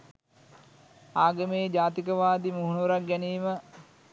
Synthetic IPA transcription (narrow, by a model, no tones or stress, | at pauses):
aːɡəmeːd͡ʒaːt̪ikəʋaːd̪imuɦunʋuɾak̚ɡæniːmə